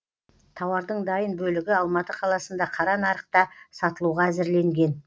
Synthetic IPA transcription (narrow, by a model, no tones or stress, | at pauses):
t̪ʰɑwɑɾd̪əɴd̪ɑjənbɵlɪɡʲɪɑlˠmɑt̪əqʰɑlˠɑsənd̪ɑqʰɑɾɑnɑɾəq̚t̪ɑsɑt̪əlˠuʁɑæzɪɾle̞ŋɡʲe̞n